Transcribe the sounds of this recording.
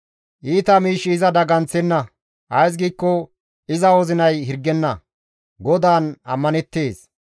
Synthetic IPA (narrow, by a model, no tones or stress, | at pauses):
ʔiːt̪ɐmiːʃːɪːzɐd̪ɐɡɐnt͡sːɛnːɐ | ʔɐjs̬ɡiːkːɔ | ɪzɐwɔzɪnɐjhɪɾɡːɛnːɐ | ɡɔd̪aːnɐ̰mːɐnɛt̪ːe̞ːs